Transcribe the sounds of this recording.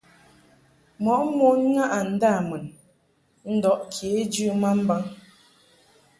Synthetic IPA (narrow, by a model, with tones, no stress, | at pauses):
mɔ˨˦ʔmo˦n˦ŋa˦ʔa˨n̩˨da˦˨mə˨n | n̩˦dɔ˨˦ʔkʰje˨˦d͡ʒʉ˦ma˦m̩˦ba˦ŋ